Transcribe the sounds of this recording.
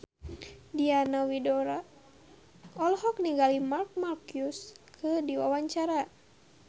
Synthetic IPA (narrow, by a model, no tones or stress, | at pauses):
dianawidɔɾa | ɔlhɔkniɡalimark̚markiuskʰɨdiwawaɲt͡ʃaɾa